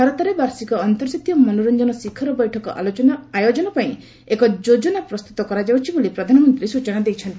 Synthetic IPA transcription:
aɾɔt̪aɾebaɾsikɔːnt̪ɔɾd͡ʒat̪jɔmɔnuɾɔnd͡ʒɔnɔsikʰːɔɾɔbɔjʈʰɔkɔ̰ʔa̰ɔnajod͡ʒɔnɔpaĩ | ekɔd͡ʒod͡ʒɔnapɾɔst̪ut̪ɔkɔɾad͡ʒawt͡ʃʰibolipɾɔd̪ʱanɔmɔnt̪ɾisut͡ʃɔnad̪ejt͡ʃʰɔnt̪i

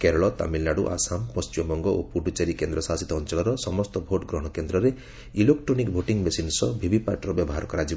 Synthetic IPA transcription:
keɾɔɭɔt̪a̰milnaɽuʔa̰sampɔst͡ʃiɔmɔŋɡɔopuɖut͡ʃeɾikend̪ɾɔsasit̪ɔːnt͡ʃɔɭɔɾɔsɔmɔst̪ɔbʱoʈɡɾɔɦɔɽ̃ɔkend̪ɾɔɾe | ilekʈɾonikbʱoʈiŋmesinsɔbʱibʱipa̰ʈɾɔbjɔbɔɦaɾɔkɔɾad͡ʒib

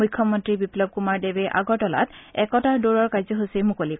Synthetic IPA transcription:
mujkʰːɔmɔntɹibiplɔb̚kumaɹdebɛʔa̰ɡɔtɔla̰tɛkɔtaɹdoɹɔɹkajzɔɦosemukolik

